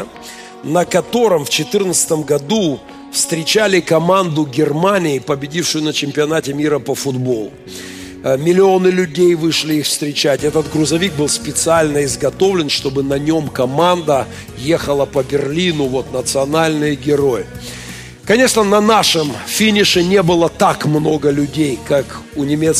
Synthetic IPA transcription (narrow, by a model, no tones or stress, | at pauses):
nəkɐt̪o̞ɾɨmft͡ɕɪt̪ɨrnət̪sɨ̥t̪əmɡɐd̪u | fst̪ɾʲɪt͡ɕalʲɪkɐmand̪ʊɡʲɪrmanʲɪːpəbʲɪdʲifʂʊjʊnət͡ɕɪmʲpʲɪɐnatʲɪmʲiɾəpəfʊd̪bo̞lˠʊ | mʲɪlʲɪo̞nɨlʲʉdʲejvɨʂlʲɪixfst̪ɾʲɪt͡ɕætʲɛt̪ət̪ɡɾʊzɐvʲik̚bɨlˠspʲɪt̪sɨalʲnəɪzɡɐt̪o̞vlʲɪnʂt̪o̞bɨnɐnʲo̞mkɐmand̪ə | jexəlˠəpəbʲɪrlʲinʊvo̞t̪nət̪sɨɐnalʲnɨjɡʲɪɾo̞jɪ | kɐnʲe̞ʂnənɐnaʂɨmfʲinʲɪʂɨnʲe̞bɨlˠət̪akmno̞ɡəlʲʉdʲejkakʊnʲɪmʲet̪s